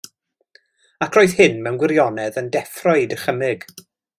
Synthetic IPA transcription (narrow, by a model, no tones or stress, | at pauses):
akʰroːɨð̥hɪnmɛwnɡwɪɾjɔnɛðəndɛfrɔɨdəχəmɪɡ̥